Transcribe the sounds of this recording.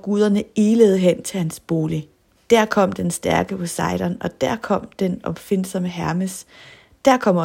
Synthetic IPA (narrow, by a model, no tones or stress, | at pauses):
ɒɡ̥uð̞ˠɐnəiːləð̞̩ˠɦen̰t͡sʰe̝lhænsb̥o̝ːli | d̥æɐ̰kʰɒ̽m̰d̥ensd̥æɐɡ̥əpʰɒ̽sɑ̈ɪɾ̥ɐnɒ̽d̥æɐ̰kʰɒ̽m̰d̥enɒ̽b̥fen̰sɒ̽məɦæɐməs | d̥æɐ̰kʰɒ̽m̰